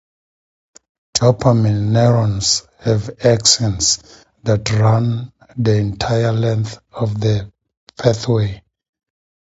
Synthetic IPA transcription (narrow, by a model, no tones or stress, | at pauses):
tʰɔpʰamɛnːɛɹɔ̃ns | hɛvaksɛ̃ns | ðatʰɹãn | ðiɛ̃ntʰajəlɛ̃nθɔvðə | pʰɛθwe